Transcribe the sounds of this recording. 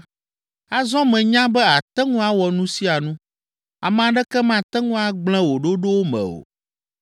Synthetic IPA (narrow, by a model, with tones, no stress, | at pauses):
a˦zɔ̃˦mɛ̃˨ɲã˦bɛ˦a˨t̪ɛ˦ŋũ˦a˦wɔ˨nũ˦si˦a˨nũ˦ | a̰˨mɛ̃˨ã˨ɖɛ˦kɛ˦mã˨t̪ɛ˦ŋũ˦a˨ɡ͡bl̃ɛ̃˦wo˨ɖo˦ɖo˦wo˦mɛ̰̃˨o̰˨